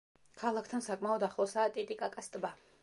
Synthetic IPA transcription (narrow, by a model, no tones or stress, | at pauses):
kʰalˠakʰt̪ʰansakʼmaɔd̪aχlˠɔsaːt̪ʼit̪ʼikʼakʼast̪ʼba